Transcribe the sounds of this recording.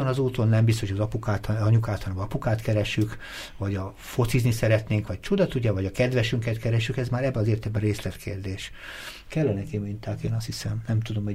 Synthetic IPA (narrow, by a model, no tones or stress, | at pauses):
onɒzuːt̪o̞nːɛmbist̪oʃʰojɒzɒpukaːt̪ɒɲukaːt̪hɒnbɒpukaːt̪kɛɾɛʃyk | vɒɟɒ | fo̞t̪siznisɛɾɛt̪neːŋkʋɒc̚t͡ʃud̪ɒt̪uɟɛvɒɟɒkɛd̪ʋɛʃyŋkɛt̪kɛɾɛʃykɛzmaːɾɛbːɛɒzeːrt̪ɛbɛɾeːslɛt̪kʰeːrd̪eːʃ | kɛlːɛnɛkimint̪aːkeːnɒst̪hisɛmnɛmt̪ud̪o̞mɛ